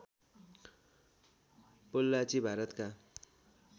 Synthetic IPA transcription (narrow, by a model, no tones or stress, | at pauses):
polːat͡sibʱaɾʌt̪ka